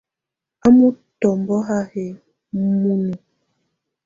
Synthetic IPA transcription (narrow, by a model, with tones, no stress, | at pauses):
a˦mu˦ | tɔ˨mbɔ˦ɦa˦he˨ | mu˦nu˨